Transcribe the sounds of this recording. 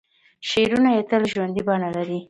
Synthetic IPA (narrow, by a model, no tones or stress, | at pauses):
ʃeɾunajet̪əlʒwand̪ibɑɳalaɾi